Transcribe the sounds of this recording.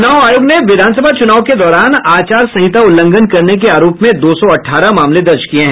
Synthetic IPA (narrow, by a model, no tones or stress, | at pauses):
ʊnaːaːjoːɡneʋɪd̪ʱaːns̬əbʱat͡ʃʊnaːwked̪ɔːɾaːnaːt͡ʃaːɾsɐɦɪt̪aʊlːə̃ŋɡənkɐɾnek̬eaːɾoːpmẽd̪oːsɔɐʈʰaːɾamaːmled̪ɐɾd͡ʒkijeɦɛ̃ː